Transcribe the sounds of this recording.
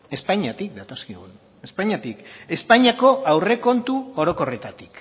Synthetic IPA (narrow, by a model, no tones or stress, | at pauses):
e̞spaɲat̪ik̚d̪at̪o̞skiɣun | e̞spaɲat̪ike̞spaɲiako̞awre̞ko̞nt̪uo̞ɾo̞ko̞re̞t̪at̪i̥k